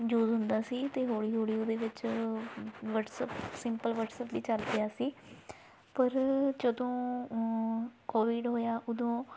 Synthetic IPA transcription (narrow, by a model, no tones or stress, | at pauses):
juːzɦʊnd̪aːsiːt̪eːɦoːɽiːɦoːɽiːud̪eːʋɪt͡ʃ | ʋəʈsəpsɪmpəlʋəʈsəpd̪iːt͡ʃəlp̪ɪjaːsiː | pəɾd͡ʒəd̪õː | koːʋɪɖɦoːjaːʔʊd̪õː